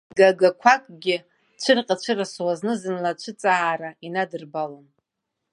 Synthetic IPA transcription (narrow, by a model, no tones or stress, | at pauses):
ɡaɡakʷʰakʼɡʲɪ | t͡ʃʷʰɨrqʲʼat͡ʃʷʰɨraswaznɨzɨnlat͡ʃʷʰɨt͡sʼaːɾainadɨrbalon